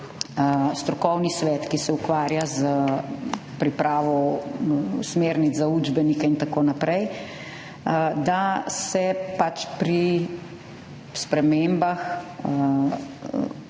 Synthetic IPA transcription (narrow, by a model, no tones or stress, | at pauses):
st̪ɾɔkɔwnisʋɛːt̪kisɛukʋaːɾjaz | pɾipɾaːʋɔ | smeːɾnid͡z̪zauːd͡ʒbɛnikaint̪akoːnapɾɛj | d̪asɛpat͡ʃpɾi | spɾɛmembax